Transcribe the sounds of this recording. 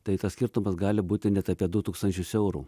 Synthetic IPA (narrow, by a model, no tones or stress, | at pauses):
t̪ɐɪt̪ɐssʲkʲɪɾt̪ʊmɐsɡɑːlʲɪbuːt̪ʲɪnʲɛt̪ɑːpʲiɛd̪ʊt̪uːkst̪ɐnʲt͡ʃʲʊsɛʊɾṵː